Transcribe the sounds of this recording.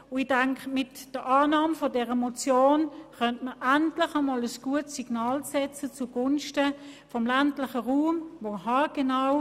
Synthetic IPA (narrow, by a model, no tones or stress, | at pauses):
ʊid̥aŋkmɪtd̥əʔɑːnɑːmfodɛʁəmot͡sjoːnχœntməʔæntlɪχamɑːləsɡ̥uətsiɡ̥nɑːlsɛt͡sət͡suɡʊnʃtəfɔmlæntlɪχəʁuːmvoːɦɑːɡ̥enaw